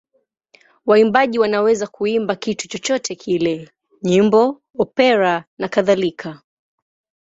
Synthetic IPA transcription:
waimbaʄiwanawɛzakuimbakitu̥t͡ʃɔt͡ʃɔtʰɛkʰilɛ | ɲimbɔ | ɔpɛɾanakaðalikʰa

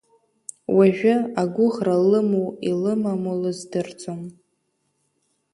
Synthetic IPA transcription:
wʔaʒᶣʷʊaɡʷʊʁralɨmuilɨmamulɨzdɨrt͡sʼom

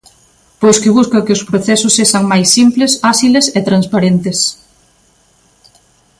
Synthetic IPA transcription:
pojskɪβ̞uskɐkɪʊspɾoθɛsʊsːeʃaŋmajsːimplesasileset̪ɾanspaɾent̪es

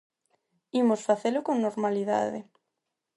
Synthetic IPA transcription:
imosfaθelʊkoŋnoɾmaliða̰ðḛ

